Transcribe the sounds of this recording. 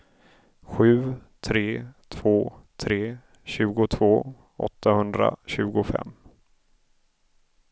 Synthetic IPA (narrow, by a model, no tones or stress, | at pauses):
ɧʉ̟ːt̪ʰɾeːt̪ʰv̥oːt̪ʰɾeː | ɕʉ̟ːɡʊt̪ʰvoː | ɔ̰t̪ʰːahɵnd̪ɾa̰ɕʉ̟ːɡʊfɛ̰mː